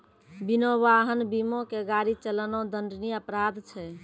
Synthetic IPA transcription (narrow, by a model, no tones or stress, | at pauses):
binoʋaɦənbimõkeɡaɾit͡ʃələnõd̪ənɖniəpɾad̪t͡ʃʰɛ